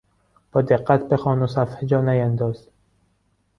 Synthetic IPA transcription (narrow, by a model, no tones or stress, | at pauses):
b̥ɒːd̪eɢːæt̪bexɒːnosæfhed͡ʒɒːnæjænd̪ɒːz̥